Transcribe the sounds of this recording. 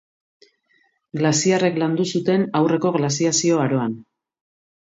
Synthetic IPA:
ɡlasiare̞kland̪usut̪e̞nawre̞ko̞ɣlasiasio̞aɾo̞an

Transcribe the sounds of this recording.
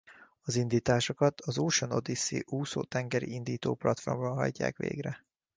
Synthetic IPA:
ɒzind̪iːt̪aːʃo̞kɒt̪ʰɒzoːʃonod̪isḭʔuːso̰ːt̪ɛŋɡɛɾḭind̪iːt̪oːplɒt̪formbɒlɦɒ̰ɟːa̰ːkʋḛːɡrɛ

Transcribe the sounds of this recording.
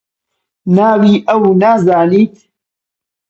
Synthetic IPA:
naːwiːʔɐwnaːzaːniːt̪̚ʰ

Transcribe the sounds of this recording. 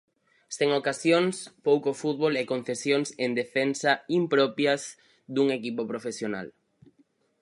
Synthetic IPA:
st̪eŋokasjoŋspowkofut̪βolekon̟θesjoŋsend̪efensɐimpɾɔpjɐz | d̪uŋekipopɾofesjona̰l

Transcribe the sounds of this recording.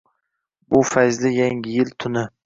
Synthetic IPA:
bʊfajzlɪjaŋʲɪjɪlt̪ʰʊnɪ

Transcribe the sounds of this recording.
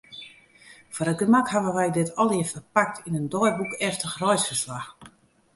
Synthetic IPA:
fɔɾət̚ɡəmakhaʋəʋɛjdɪtɔlˠɪəfərpak̚tʰinəndɔjrbukɛftəxrɔjsfərslax

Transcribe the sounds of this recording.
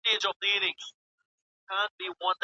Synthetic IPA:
ed͡ʒʌvliɾɪ̃ŋ | kʰãn̚b̥iwʌ̃nd

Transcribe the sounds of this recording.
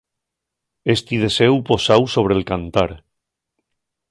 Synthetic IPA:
est̪iðe̞sewpo̞sawso̞β̞ɾelkant̪aɾ

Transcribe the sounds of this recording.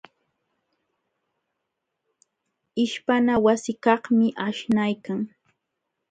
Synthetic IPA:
ɪʃpanawasɪkɑhmɪʔaʃnajkaŋ

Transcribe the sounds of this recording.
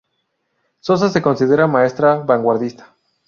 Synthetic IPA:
so̞s̬ase̞ko̞nsiðe̞ɾamae̞st̪ɾaβaŋɡwaɾðist̪ḁ

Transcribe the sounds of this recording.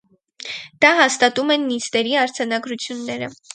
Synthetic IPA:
d̪̥ɑɦɑst̪ɑt̪umɛnːist̪ɛɾiɑɾd͡zʰɑnɑɡɾut͡sʰjunːɛɾə̰

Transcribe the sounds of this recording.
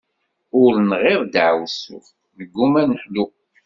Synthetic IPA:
ʊɾnʁɪɾˤd̪ʕwsʊ̰θ | nəɡːumænħlu

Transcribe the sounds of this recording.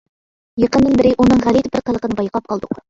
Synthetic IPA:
jeqənd̪ɪnbɪɾɪʔunɨŋʁælˠit̪bɪɾqʰəlˠəqənɨbɑjɑqɑp̚qʰɑlˠd̪ʊ̰q

